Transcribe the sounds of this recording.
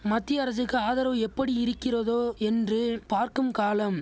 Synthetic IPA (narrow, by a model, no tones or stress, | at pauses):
mɐt̪ːɪjɐɾɐsɯkːɯaːðɐɾɐʋɛpːɐɽiɪɾɯkːɪrɐðoːɛndrɯpaːɾkɯmkaːlɐm